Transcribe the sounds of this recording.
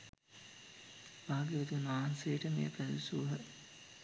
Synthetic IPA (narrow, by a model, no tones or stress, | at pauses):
b̥aːɡiʋed̪unʋaːnsejəʈəmḛjə̰pæd̪usuːɦə